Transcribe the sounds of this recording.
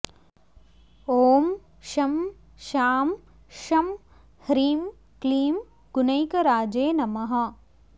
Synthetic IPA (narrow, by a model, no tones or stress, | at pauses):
oːm | ʃɐm | ʃaːm | ʃɐm | hɾiːm | kliːm | ɡunɐjkɐɾaːd͡ʒeːnɐmɐɦɐ̆